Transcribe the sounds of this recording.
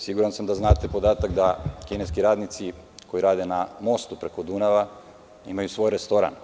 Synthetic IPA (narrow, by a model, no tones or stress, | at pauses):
siɡuɾansamd̪aznaːt̪epo̞d̪aːt̪akd̪akineskiɾaːd̪nit̪si | ko̞jiɾaːd̪enamo̞st̪upɾeko̞d̪unaʋa | imajusʋo̞ːjɾest̪o̞ɾa̰n